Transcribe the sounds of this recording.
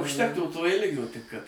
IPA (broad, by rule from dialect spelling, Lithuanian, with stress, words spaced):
ʊʃʲˈtʲæːktuː toː ˈɪlʲɡʲoː tʲɪk kɐt